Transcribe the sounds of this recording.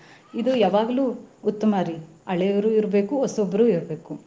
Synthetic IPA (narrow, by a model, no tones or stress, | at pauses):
id̪ujaːʋaːɡɐluːt̪ːɐmaːɾi | ɐɭeːʋɐɾuːiɾɐbe̞ːkuɔsobːɐɾuːiɾɐbe̞ːku